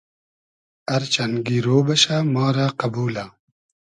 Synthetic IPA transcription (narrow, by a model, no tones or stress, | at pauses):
ɐɾt͡ɕɐnɡiːɾoːbɐɕamɑːɾaqɐbuːla